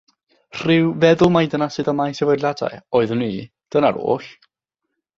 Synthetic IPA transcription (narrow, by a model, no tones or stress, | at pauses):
r̥ɪwvɛðʊlˠmajdənasɨðəmajsɛvɔdlada̰jɔːɨðʊnːiː | d̥ənaɾo̰ːɬ